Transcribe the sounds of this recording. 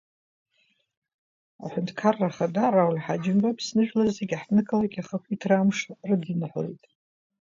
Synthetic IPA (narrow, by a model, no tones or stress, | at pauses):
a̰ħʷᶣʊntʰʼkʰarːaχadarawlʲħad͡ʒɪmbapʰsnɨʒᶣlazeɡʲħnɨkʰʼalaɡʲaχakʷitʰramʂrɨdɨnħʷo̰jtʼ